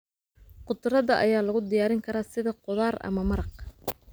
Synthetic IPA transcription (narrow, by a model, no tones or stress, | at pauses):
qʊd̪rɐðɐʔɐ̰jaːlɐɣʊd̪ɪjaːɾɪŋkʰɐɾaːsɪðɐqʊðaːrɐ̰mɐmɐɾɑq